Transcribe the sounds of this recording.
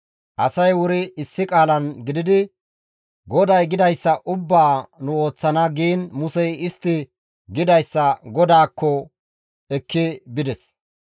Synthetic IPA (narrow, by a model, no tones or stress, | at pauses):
ʔɐsɐjwʊɾɪɪsːɪkʼaːlɐnɡɪd̪ɪd̪ɪ | ɡɔd̪ɐjɡɪd̪ɐjsːɐʔʊbːaːnʊo̞ːt͡sːɐnɐɡiːnmʊsɛjɪst̪ːɪ | ɡɪd̪ɐjsːɐɡɔd̪aːkːɔ | ɛkːɪbɪd̪ɛs